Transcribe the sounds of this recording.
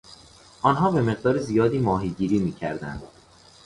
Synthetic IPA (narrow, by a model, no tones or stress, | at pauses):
ʔɒːnɦɒːbe̞me̞ɣd̪ɒːɾezijɒːd̪iːmɒːɦiːɟiːɾiːmiːcʰæɾd̪ænd̪̥